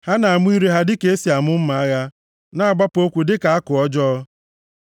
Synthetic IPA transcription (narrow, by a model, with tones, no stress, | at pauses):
ha˦na˨a˨mʊ˦i˦ɾe˦ɦa˦dɪ˦ke˨˦e˦si˨a˨mʊ˦m̩˦ma˨a˦ɣa˦ | na˦a˨ɡ͡ba˦po˦kʷu˨dɪ˦ka˨a˦kʊ˨ɔ˦d͡ʒɔ˦ɔ˦